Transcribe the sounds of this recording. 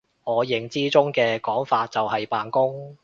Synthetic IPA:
ŋɔː˨˧jɪ˨˩ŋt͡siː˥t͡sʊ˥ŋkɛː˧kɔː˨˥ŋfaː˧t̚t͡sɐ˨whɐ˨jpaː˨nkʊ˥ŋ

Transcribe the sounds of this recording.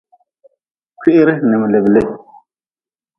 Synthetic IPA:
kʰi˦ʔɪ˦ɾɪ˦nɨ˨mɨ˨le˨ble˦

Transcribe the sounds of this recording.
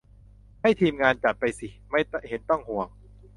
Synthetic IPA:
ha˥˩jt̪ʰiː˧mŋaː˧nt͡ɕa˨˩p̪̚pa˧jsi˨˩ma˥˩jhe˩˦nt̪ɔ˥˩ŋhu˨˩əŋ

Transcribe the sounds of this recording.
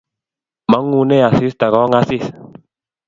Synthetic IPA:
ma˨˦ŋːu˨nɛ˦a˨si˦sta˨ɡɔ˨˦ŋa˦si˦˨s

